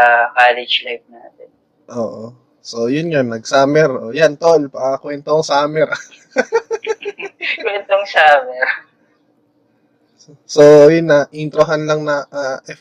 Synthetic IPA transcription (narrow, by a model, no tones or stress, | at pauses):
ɐkaːlɪd͡ʒlajp̚naːt̪ɛn | ʔoːʔo | so̞jʊnjonːɐɡsaːmɛɾoːjant̪olpɐkɐkwɛnt̪oŋsaːmɛɾ | kwɛnt̪oŋsaːmɛɾ | sojʊnːɐʔint̪ɾoɦɐnlɐŋnɐʔaʔɛf